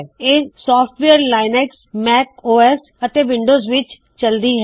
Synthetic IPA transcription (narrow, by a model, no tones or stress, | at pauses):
eːsɔːfʈʋeəɾlaːɪneksmɛːkoːɛs | ət̪eʋɪ̃ɳɖoːzʋɪt͡ʃ | t͡ʃɐld̪iːɦɛ